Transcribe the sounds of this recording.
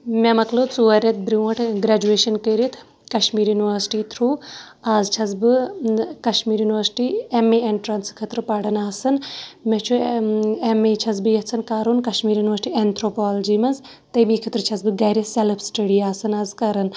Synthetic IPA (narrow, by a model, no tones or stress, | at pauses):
memɐklot͡suɐɾʲɐt̪̚bɾiɐʈʰɡɾaːd͡ʒueːʃɐnkəːɾit̪ʰ | kɐʃmiːɾjuniʋəɾsʈiːt̪ʰɾuːaːzt͡ʃʰɐzbɨkɐʃmiːɾjunʲʋɐɾsʈiːemeeɳʈɾɐnskʰɐt̪ɾɨpɐɽɐnaːsɐnmɛt͡ʃʰuemet͡ʃʰɐzbɨjɐt͡sʰɐnkaːɾunkɐʃmiːɾjuːnʋɐsʈiːɛnt̪ʰɾoːpɔːld͡ʒiːmɐnz | t̪ɐjmikʰɐt̪ɾɨt͡ʃʰɐzbɨɡɐːɾiselpsʈɐɽiːaːsɐnaːzkɐɾɐn